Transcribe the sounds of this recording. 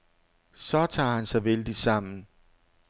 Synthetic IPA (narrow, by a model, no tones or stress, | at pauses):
sɒ̽t͡sʰɑ̰̈ːhænsɑ̈ɪʋeld̥i̥sɑ̈m̰n̩